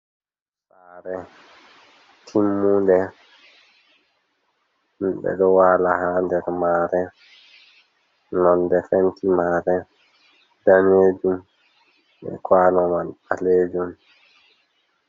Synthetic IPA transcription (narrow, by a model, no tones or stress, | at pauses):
saːɾɛ | tʰimːundɛ | mɓɛ̰ɗɔwaːlahandɛɾmaːɾɛ | nɔndɛfɛntʰimaːɾɛ | d̥aneːd͡ʒum | bɛ̰kʰwaːlɔmanaleːd͡ʒum